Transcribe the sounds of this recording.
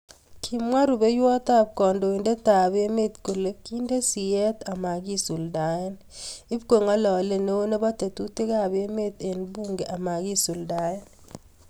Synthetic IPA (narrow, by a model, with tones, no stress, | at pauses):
kʰi˨mwa˦ɾu˨be˦jwɔ˦ta˦p̚kɔ˨ndo˨i˨nde˦ta˨be˦me˦tko˨le˦ki˦nde˦si˨ɛ˦t̪a˨ma˨ɡi˦su˨lda˨ɛ˦n | ɪ˦pke˨ŋɔ˦lɔ˨le˦ne˦o˦ne˦bɔ˦te˨tu˦te˦ka˦˨be˦me˦t̪e˨nbu˦ŋɡe˨ʔa˨ma˨ɡi˦su˨lda˨ɛ˦n